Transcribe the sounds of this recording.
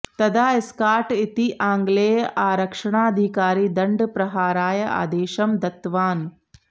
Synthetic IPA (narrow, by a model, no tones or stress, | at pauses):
t̪ɐd̪ʱaːɪskaːɾʈit̪iʔãːŋɡleːjʔaːɾɐkʂɐɳaːɐd̪ʱikaːɾiːd̪ɐɳɖpɾɐɦaːɾaːjɐa̰ːd̪eːʃɐmd̪ɐt̪ʋaːn